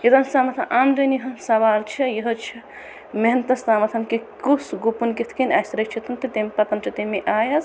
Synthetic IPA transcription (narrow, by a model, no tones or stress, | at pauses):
jɐt̪ɐnsaːmɐt̪ʰɐ̃ʔaːmd̪ɐnjɐɦɐnsɐʋaːlt͡ʃʰijɐɦot͡ʃʰi | meɦnt̪ɐst̪aːmɐt̪ʰɐnkikusɡupunkit̪ʰkinasɾɐt͡ʃʰit̪ʰɐnt̪it̪empɐt̪ɐnt͡ʃʰit̪emeʔaːjɐz